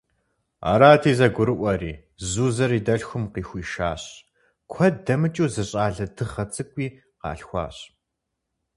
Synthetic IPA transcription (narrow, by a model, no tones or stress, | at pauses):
a̰ːɾaːtʰiːzɐɡʷʊɾɨʔʷɐɾiː | zuːzɐɾiːdɐɬxʷʊmqiːxʷiːʃaːɕ | kʷʰɐddɐmɨt͡ʃʼuːzɨɕʼaːɮɐdʰɨχɐt͡sʼɨkʷʼiː | qɑ̰ːɬxʷɑ̰ːɕ